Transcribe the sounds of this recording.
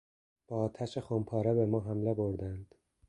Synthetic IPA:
b̥ɒːɒːt̪ʰæʃexompʰɒːɾebemɒːɦæmleboɾd̪ænd̪̥

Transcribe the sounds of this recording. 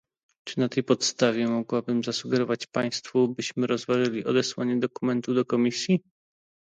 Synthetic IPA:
t͡ʂɘnat̪ɛjpɔt̪st̪avʲjɛmɔɡwabɘmzasuɡɛɾɔvat͡ɕpaj̃st̪fubɘɕmɘɾɔzvaʐɘlʲiɔd̪ɛswaɲɛd̪ɔkumɛnt̪ud̪ɔkɔmʲisʲji

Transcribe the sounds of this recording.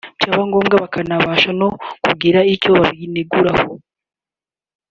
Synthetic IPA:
caːβaŋɡo̞ːmɡaβakanaβaːʃano̞kuɡiɾaico̞βaβineɡuɾaho

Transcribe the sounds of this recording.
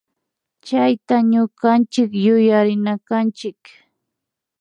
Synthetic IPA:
t͡ʃajt̪aɲʊkant͡ʃɪkjʊjaɾɪnakant͡ʃɪk

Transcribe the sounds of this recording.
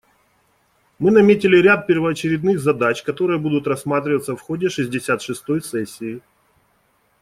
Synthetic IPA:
mɨnɐmʲetʲɪlʲɪɾʲat̪̚pʲɪrvɐːt͡ɕɪɾʲɪd̪nɨɣzɐd̪at͡ɕkɐt̪o̞ɾɨjəbud̪ʊt̪rɐsmat̪ɾʲɪvət̪səfxodʲɪʂɨzʲdʲɪsʲat̪ʂɨst̪o̞jsɛsʲːɪː

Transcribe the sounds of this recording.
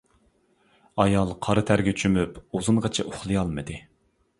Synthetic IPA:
ɑjɑlˠqʰɑɾɨt̪ʰæɾɡʲɛt͡ʃʰymypozɨnʁɑt͡ʃʰɛʔoχlˠɨjɑlˠmɨd̪ɨ

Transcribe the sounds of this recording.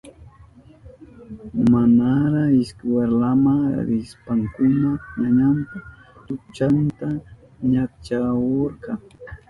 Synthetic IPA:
manaɾaɪskweɾlamaŋɾɪspaŋkʊnaɲaɲanp̪a | t̪ʊt͡ʃant̪a | ɲak̚t͡ʃakoɾkɑŋ

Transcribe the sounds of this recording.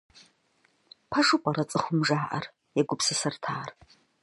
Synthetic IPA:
pʰɐʂʊpʼɐrɐt͡sʼɨxʷʊmʒaːʔɐ̰r | jɛɡʷʊpsɨsɐrtʰaːr

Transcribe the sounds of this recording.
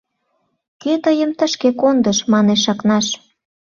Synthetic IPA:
ket̪əjə̆mt̪əʃkekond̪əʃmɑneʃɑknɑʃ

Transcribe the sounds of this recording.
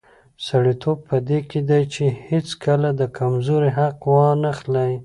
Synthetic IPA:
saɽit̪ʰob̚pəd̪eked̪ajt͡ʃehet͡skʰəlad̪əkʰamzoɾiɦaqwɑnaxlaj

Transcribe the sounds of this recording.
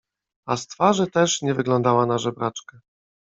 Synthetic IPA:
ast̪faʐɘt̪ɛʂɲɛvɘɡlɔnd̪awanaʐɛbɾat͡ʂka

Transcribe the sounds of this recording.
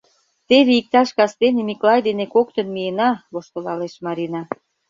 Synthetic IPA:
t̪eβeik̚t̪ɑʃkɑst̪enemiklɑjd̪enekokt̪ə̆nmienɑβoʃt̪olɑleʃmɑɾinɑ

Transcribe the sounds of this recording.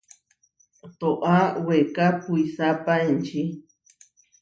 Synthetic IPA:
t̪oʔawekapuisapaent͡ʃʰi

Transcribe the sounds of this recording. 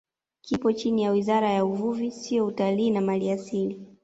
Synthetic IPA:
kʰipɔt͡ʃinijawizaɾajauvuvisiɔutaliːnamaliasili

